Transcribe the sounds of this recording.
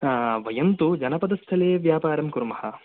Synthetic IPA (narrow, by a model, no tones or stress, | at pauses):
ʋɐjɐnt̪ud͡ʒɐnɐpɐd̪ɐst̪ʰɐleːɐʋjaːpaːɾɐmkuɾmɐhɐ